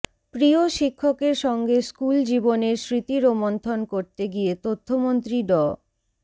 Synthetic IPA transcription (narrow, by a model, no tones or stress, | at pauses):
pɾioʃikʰːokeɾʃɔŋɡeskuld͡ʑiboneɾsɾit̪iɾomont̪ʰonkoɾt̪eɡiet̪ot̪ʰːomont̪ɾiɖɔ